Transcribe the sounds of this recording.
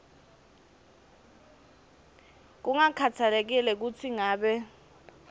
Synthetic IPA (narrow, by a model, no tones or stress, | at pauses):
k̬uŋakʰat͡sʰalɛk̬ilɛk̬ut͡sʰiŋaːɓɛ